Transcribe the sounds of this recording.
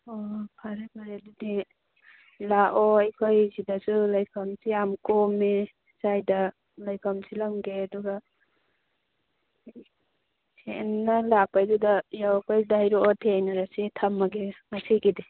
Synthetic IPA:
ɔpʰaɾepʰaɾeadudi | laʔɔajkʰojzidasulajkʰɐmsiamkɔmːe | sajda | lajkʰamsilaŋɡeaduɡa | senːalapajdudajawpajdajɾɔʔɔtʰeajnaɾasetʰɐmːaɡeŋasiɡidi

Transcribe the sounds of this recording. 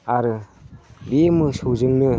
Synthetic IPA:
aɾɯ | bemɯsɯwzɯŋnɯ

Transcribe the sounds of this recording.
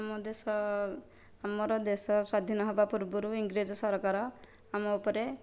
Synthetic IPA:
mɔd̪esɔ | amɔɾɔd̪esɔswad̪ʱinɔɦebapuɾbuɾuiŋɡɾed͡ʒɔsɔɾkaɾɔ | amɔupɔɾe

